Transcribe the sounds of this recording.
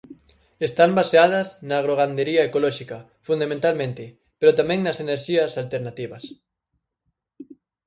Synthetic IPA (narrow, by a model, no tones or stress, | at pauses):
est̪ambaseað̞ɐznaːɣɾoɣ̞and̪eɾiɐekolɔʃikɐ | fund̪amẽnt̪almẽnt̪ɪ | peɾot̪amɛ̃ŋnɐseneɾʃiɐsalt̪eɾnat̪iβɐs